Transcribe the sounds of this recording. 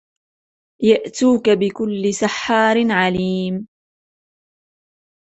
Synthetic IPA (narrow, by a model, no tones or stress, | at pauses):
jaʔt̪uːkabɪkʊlːɪsaħːɑːɾɪnʕaliːm